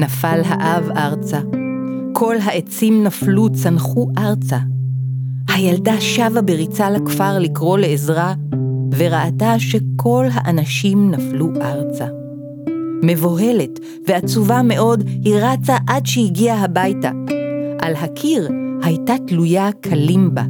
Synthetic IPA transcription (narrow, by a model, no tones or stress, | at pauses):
nafalɦaʔavaʁt͡sa | kʰo̞lɦaʔe̞t͡simnaflut͡sanχuʔaʁt͡sa | hajaldaʃavabeʁit͡salakfaʁlikʁo̞le̞ezʁave̞ʁaataʃe̞kʰo̞lɦa̰ʔanaʃimnafluʔaʁt͡sa | me̞voɦe̞le̞t | ve̞at͡suvame̞ʔo̞dhiʁat͡saʔadʃehiɡiaɦabajtaʔalɦakʰiʁhajtatlujakʰalimba̰